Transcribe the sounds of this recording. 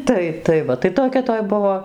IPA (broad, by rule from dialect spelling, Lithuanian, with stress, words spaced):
ˈtɐɪ tɐɪ ˈʋɐ tɐɪ toːˈkʲɛ ˈtoːj ˈbʊʋoː